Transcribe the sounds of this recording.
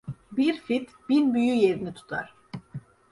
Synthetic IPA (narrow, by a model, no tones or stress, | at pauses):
biɾfit̪ | b̥inbyjyje̞ɾinit̪ʰu̥t̪ʰa̰ɾ̥